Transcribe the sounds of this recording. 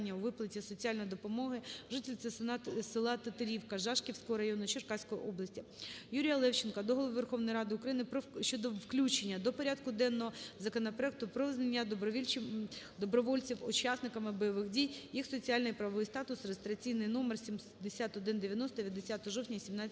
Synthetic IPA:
nʲːɐuʋɪplˠɐtʲisɔt͡sʲialʲnɔjd̪ɔpɔmɔɦɪʒɪt̪ʲɪlʲt̪sɛsɪlˠɑt̪ɐt̪ɐɾʲiwkɐʒɑʃkʲiwsʲkɔɦɔɾɐjɔnʊt͡ʃɪrkɑsʲkɔjiʔɔblˠɐsʲtʲijuɾʲijɐlˠɛwt͡ʃɪnkɐd̪ɔɦɔlˠɔʋɪʋerxɔʋnɔjɾɑd̪ɪʊkɾɐjinɪpɔt͡ʃɔd̪ɔʋklʲut͡ʃenʲːɐd̪ɔpɔɾʲad̪kʊd̪ɛnːɔɦɔzɐkɔnɐpɾɔɛk̚t̪ʊpɾɔʋɪznenʲːɐd̪ʋʲilʲ | d̪ɔbɾɔʋɔlʲt͡sʲiwʊt͡ʃɑsnɪkɐmɪbɔjɔʋɪxdʲijjixsɔt͡sʲijalʲnɔjipɾɐʋʋɪjst̪ɑt̪ʊsrest̪ɾʲɐt͡sʲijnɪjnɔmersʲim | d̪esʲat̪ɔd̪ɪnd̪eʋʲjɐnɔst̪ɔʋʲjɐd̪esʲat̪ɔɦɔʒɔwtʲnʲɐsʲimnɑ

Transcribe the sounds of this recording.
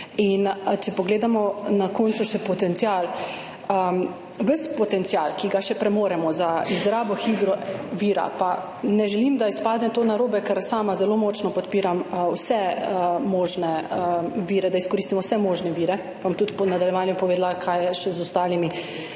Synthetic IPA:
int͡ʃɛpɔɡleːd̪amɔnakoːntsuʃɛpɔt̪ɛnt̪sjal | ə | ʋəspɔt̪ɛnt̪sijalkiɡaʃɛpɾɛmoːɾɛmɔzaizɾaːbɔxiːd̪ɾɔʋiːɾa̰pa | nɛʒɛlimd̪aispaːd̪nɛt̪onaɾoːbɛkɛɾsaːmazɛloːmɔːt͡ʃnɔpɔt̪piːɾamwsɛəmɔːʒnɛəʋiːɾɛd̪aiskɔɾist̪imɔwsɛmɔːʒnɛʋiːɾɛ | bamt̪ut̪pɔnad̪aljɛʋaːnjɛpɔʋeːd̪lakʰajɛʃɛzɔst̪aːlimi

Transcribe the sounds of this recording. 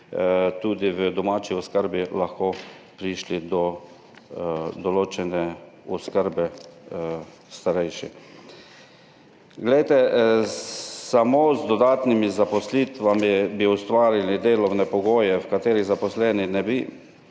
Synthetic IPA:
t̪uːd̪iʋəd̪ɔmaːt͡ʃiɔskəɾbilaxko | pɾiʃlid̪ɔ | d̪ɔloːt͡ʃɛnɛɔskəɾbɛ | st̪aɾɛjʃḭ | ɡlɛjt̪ɛ | samozd̪ɔd̪aːt̪nimizapɔslit̪ʋamibiust̪ʋaːɾilid̪eːlɔwnɛpɔɡoːjɛwkat̪eːɾiɣzapɔslɛninɛbi

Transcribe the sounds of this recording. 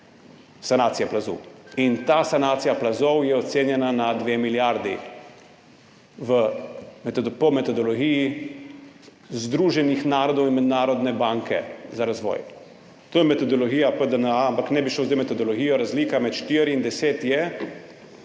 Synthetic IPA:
sanaːt̪sijaplazṵwint̪aːsanaːt̪sijaplazɔwjɛɔt̪seːnjɛnanad̪ʋeːmiljaɾd̪ḭ | ʋəmɛt̪pɔmɛt̪ɔd̪ɔlɔɡiːji | zd̪ɾuːʒɛnixnaːɾɔd̪ɔwinmɛd̪naːɾɔd̪nɛbaːŋkɛ̰zaɾazʋɔ̰ːj | t̪oːjɛmɛt̪ɔd̪ɔlɔɡiːjapəd̪ənampaknɛbiʃloːzejmɛt̪ɔd̪ɔlɔɡijɔɾazliːkamɛt̪ʃt̪iːɾiind̪ɛseːt̪jɛ

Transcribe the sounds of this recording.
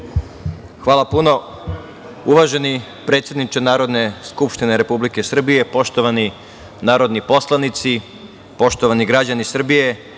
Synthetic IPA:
xʋaːlˠapuno̞ | uʋaʒe̞ni | pɾe̞t̪sjed̪nit͡ʃenaːɾo̞d̪ne̞skupʃt̪ineɾe̞publike̞sr̩bije̞po̞ʃt̪oʋani | naːɾo̞d̪nipo̞slˠanit̪si | po̞ʃt̪o̞ʋaniɡɾad͡ʑanisr̩bije̞

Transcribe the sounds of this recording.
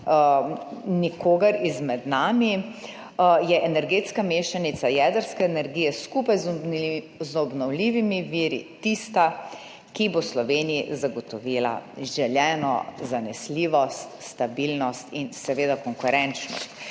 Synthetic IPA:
nikoːɡəɾizmɛd̪naːmi | jɛʔɛnɛɾɡet̪skameːʃanit̪sajɛd̪əɾskɛːnɛɾɡiːjɛskupaj | zɔbnɔwliːʋimiʋiːɾḭt̪ist̪a | kiboslɔʋeːnijizaɡɔt̪ɔʋila̰ʒɛljɛːnɔ̰zanɛsliːʋɔst̪st̪abilnɔst̪insɛʋeːd̪akɔŋkuɾɛnt͡ʃnɔ̰st̪̚

